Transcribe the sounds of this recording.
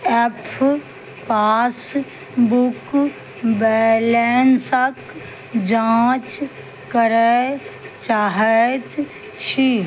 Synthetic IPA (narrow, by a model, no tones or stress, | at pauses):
epʰ | paːs | bʊk | bɛlensək | d͡ʒãːt͡ʃ | kəɾe | t͡ʃaːɦət̪ | t͡ʃʰi